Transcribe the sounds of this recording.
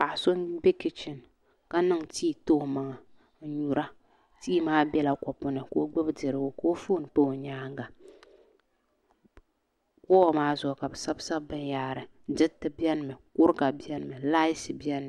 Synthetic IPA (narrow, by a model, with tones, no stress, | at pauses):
pa˨ʔso˦nbe˦kɪ˦t͡ʃɪ˨n | ka˦nɨ˦ŋtiː˦˨to˦˨ma˨ŋa˨ | n̩˨ɲu˨ɾa˦ | tiː˦maː˦bɛ˦la˨kɔ˨pʊ˨nɨ˨ko˦ɡ͡bɛ˦bdɨ˨ɾɨ˨ɡʊ˦ko˦fuː˦n˨k͡po˦˨ɲaː˦ŋɡa˨ | kɔː˦maː˦zɔ˨ka˨bɨ˨sa˦bsa˦bɨ˦njaː˨ɾɨ˨˦dɪ˦tɨ˦bi˦ɛ˦n˦˨mɨ˨kʊ˦ɾka˨bi˦ɛ˦n˦˨mɨ˨la˦jsɨ˨bjɛ˦n˦m˨